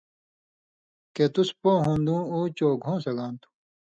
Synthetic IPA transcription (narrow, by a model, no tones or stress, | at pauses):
ket̪uspõːɦũːnd̪ũːuːt͡ɕoːɡʱõːsɐɡãːnt̪ʰu̥